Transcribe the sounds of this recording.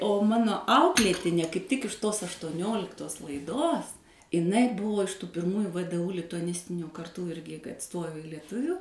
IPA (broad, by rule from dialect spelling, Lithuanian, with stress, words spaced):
oː ˈmɑːnoː ˈɐʊklʲeːtʲɪnʲeː kɐɪp ˈtʲɪk ɪʃ toːs ɐʃtuɔˈnʲoːlʲɪktoːs lˠɐɪˈdoːs ɪˈnɐɪ ˈbʊʋoː ɪʃ tuː pʲɪrˈmuːjʊ ʋdʊ lʲɪtʊɐˈnʲɪsʲtʲɪnʲoː kɐrˈtuː ˈɪrʲɡʲɪ kɐt ˈstoːjoː ɪ lʲiɛˈtʊʋʲʊ